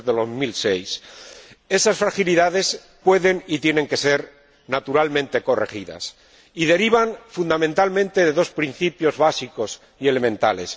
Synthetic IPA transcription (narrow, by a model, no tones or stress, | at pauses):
ðeðozmilse̞js | e̞sasfɾaxiliðaðe̞s | pwe̞ðe̞nit̪je̞ne̞ŋke̞se̞ɾ | nat̪uɾalmẽ̞nt̪e̞ko̞re̞̰xiða̰s | iðe̞ɾiβ̞aɱfund̪amẽnt̪almẽ̞nt̪e̞ðe̞ðo̞spɾin̟θipjo̞zβasiko̞s | iele̞mẽnt̪ale̞̰s